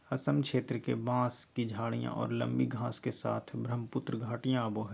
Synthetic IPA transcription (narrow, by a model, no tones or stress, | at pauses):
ɐsəmkʃeːt̪ɾəkebãːskid͡ʒʱaːɽijã̰ʔɔ̰ːɾlə̰̃mbiɡʱãːskesa̰ːt̪ʰbɾəmpʊt̪ɾəɡʱaːʈijãɐboɦɛ